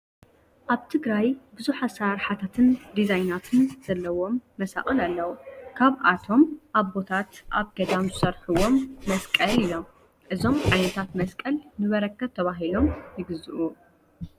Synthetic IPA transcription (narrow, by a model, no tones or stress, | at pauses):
ʔaβt̪ʰɨɡɾajbɨzuħasaɾħat̪ʰat̪ʰɨnd̪izajnat̪ʰɨnz̥ɐlːɐwo̞mːɐsa̰χʼɨlalːɐwukʰaβʔat̪ʰo̞mʔaβbo̞t̪ʰat̪ʔaβɡɐd̪amzɨsɐɾħuwo̞mːɐskʼɐlilo̞m | ʔɨzo̞mʕajnɐt̪ʰat̪mɐskʼɐlnɨβɐɾɐkʰːɐβt̪ʰɐβaɦilo̞mjɪɡɨzɨʔu